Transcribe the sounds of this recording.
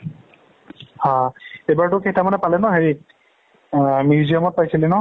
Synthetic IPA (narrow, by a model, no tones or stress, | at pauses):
hãejbaɹtʊkʰetamanɛpalɛnɔɦeɹi | mjuziɔmɔt̚pajsilɛnɔ